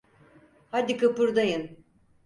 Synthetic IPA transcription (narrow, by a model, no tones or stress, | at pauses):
had̪ʲikapɯɾd̪ajɯn